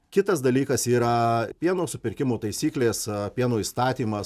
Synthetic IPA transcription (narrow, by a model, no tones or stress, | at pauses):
kʲɪt̪ɐsd̪ɐlʲiːkɐsiːɾɐpʲiɛnoːsʊpʲɪɾʲkʲɪmoːt̪ɐɪsʲiːklʲeːspʲiɛnoːist̪ɑːt̪ʲiːmɐ